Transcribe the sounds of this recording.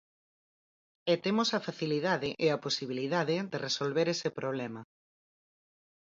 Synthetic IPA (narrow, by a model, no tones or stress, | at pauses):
et̪emosɐfaθiliðaðɪʔeɐposiβ̞iliðaðɪðeresolβeɾesepɾoβ̞lɛmɐ